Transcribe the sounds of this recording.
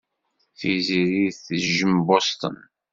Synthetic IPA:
θiziɾiθəʒəmbost̪ə̰n

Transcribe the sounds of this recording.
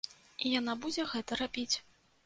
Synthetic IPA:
ijan̪abud͡zʲɛɣɛt̪ɐɾabʲit͡sʲ

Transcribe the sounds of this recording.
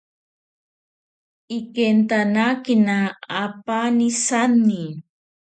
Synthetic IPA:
ikent̪anakinaːpanisanːi

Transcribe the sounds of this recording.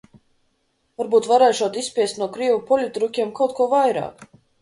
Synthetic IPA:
vaɾbuːt̪vaɾɛjʃuɔt̪ispʲiɛst̪nuɔkɾiɛvupɔlʲut̪ɾukʲiɛmkawt̪̚kuɔvajɾa̰ːk

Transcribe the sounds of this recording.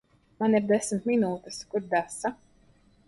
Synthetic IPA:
maniɾd̪ɛsmt̪minuːt̪ɛskuɾd̪asa

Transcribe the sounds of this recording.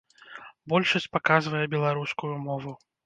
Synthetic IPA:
bɔlʲʂɐsʲt͡sʲpakazvɐjɛbʲɛlˠaɾuskujumɔvu

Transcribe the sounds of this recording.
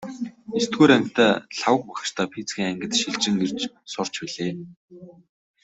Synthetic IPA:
ist̪̚ɡuːɾæŋkʰt̪ʰæːɬawə̆k̚pæχ̆t͡ɕt̪ʰaːpʰit͡sɡʲiːŋæŋɡɘ̆t̪ʃiɮt͡ɕɪ̆ŋer̥t͡ɕ | sʊr̥t͡ɕpiɮeː

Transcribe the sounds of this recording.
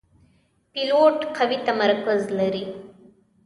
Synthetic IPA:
piloːʈqʰɐʋit̪ɐmɐɾkəzlɐɾi

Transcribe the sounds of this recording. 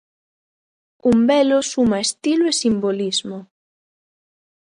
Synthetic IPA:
umbɛlosumaest̪iloesimbolizmo

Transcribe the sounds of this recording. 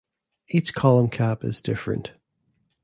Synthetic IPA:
it͡ʃkʰɑlˠə̃mkʰæpɪ̰zdɪfɹɨ̰̃nʔ

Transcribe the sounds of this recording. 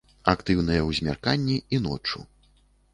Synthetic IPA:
akt̪ɨwnɨjɐwzʲmʲa̰rkanʲːiinɔ̰t͡ʂṵ

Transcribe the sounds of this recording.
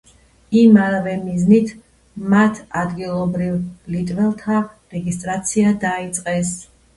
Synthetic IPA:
imavɛmiznit̪ʰ | mat̪ʰad̪ɡilˠɔbɾivlit̪ʼvɛlˠt̪ʰa | ɾɛɡist̪ʼɾat̪sʰiad̪ait̪sʼqʼɛs

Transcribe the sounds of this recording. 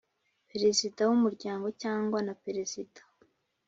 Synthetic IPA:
peɾesitawumuɾɟaːŋɡo̞caːŋɡwanapeɾesitḁ

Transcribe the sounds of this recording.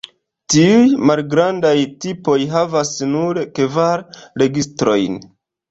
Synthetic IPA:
tiujmalɡɾandajtipo̞jɦavasnuɾkevaɾɾe̞ɡistɾo̞jn

